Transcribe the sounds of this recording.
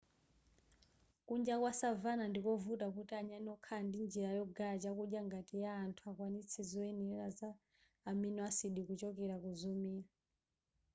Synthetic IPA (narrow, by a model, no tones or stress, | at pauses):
kund͡ʒakwasavanandikɔvutakutiaɲanɔkʰandind͡ʒiɾajɔɡaat͡ʃakuɗjaŋɡatijaːntʰuakwanit͡sʰɛzɔɛniɛazaː | mɛnɛasiɗikut͡ʃɔkɛɾakuzumiːɾa